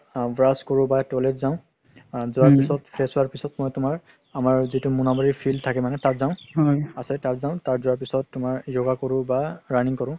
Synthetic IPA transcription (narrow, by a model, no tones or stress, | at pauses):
bɹaskɔɹʊ̃batɔletzaʊ̃ | zʊwaɹpisɔtpʰɹesʊwaɹpisɔtmɔjtʊmaɹ | amaɹzitʊmunamɔɹipʰiltʰakɛmanɛtatzaʊ̃ɦɔasɛtaɹzaʊ̃taɹzʊwaɹp̬isɔtːʊmaɹjɔɡakɔɹʊ̃baɹaniŋkɔɹʊ̃